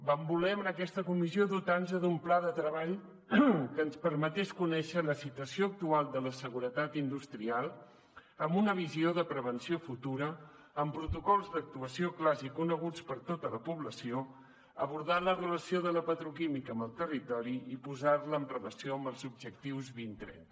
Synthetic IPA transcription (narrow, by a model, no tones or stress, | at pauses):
bambulɛmənəkɛst̪əkumizioðut̪anzəðumplaðət̪ɾəβaʎ | kənspəɾmət̪ɛskunɛʃələsit̪uəsioək̚t̪ualˠd̪ələsəɣuɾət̪at̪ind̪ust̪ɾialˠ | əmbunəβ̞izioðəpɾəβənsiofut̪uɾəː | mpɾut̪ukɔlˠzðək̚t̪uəsioklazikunəɣ̞ut͡spəɾt̪ot̪ələpuβləsio | əβuɾðalərələsioðələpət̪ɾukimikəmbəlˠt̪ərit̪ɔɾiipuzaɾləːmprəβəsioəmbəlˠzub̚ʒək̚t̪iwzβint̪ɾɛ̰n